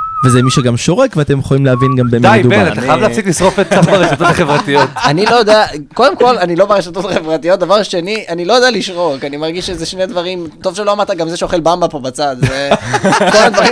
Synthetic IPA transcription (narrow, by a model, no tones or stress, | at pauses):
vezɛmiʃeɡamʃo̞ʁekveat̪emjeχolimleavinɡambemd̪ajdubenat̪aajavleasiklisʁofet̪̚safbaʁeʃat̪ot̪aχevʁat̪ijo̞t̪anilojod̪eako̞d̪emko̞lanilo̞baʁeʃat̪ot̪aχevʁat̪ijot̚d̪avaʁʃe̞niʔanilo̞jod̪ealiʃʁo̞kanimaʁɡiʃezeʃned̪vaʁimto̞v̥ʃelo̞amaʁt̪aɡamzeʃeoχelbambapo̞bat͡sad̪zekamad̪vaʁi